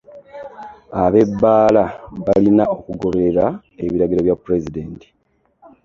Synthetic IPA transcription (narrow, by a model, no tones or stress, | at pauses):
aβe̞bːaːlaβalinao̞kuɡo̞βeeɾa | eβiɾaɡiɾoβjapːuɾe̞zide̞ːnti̥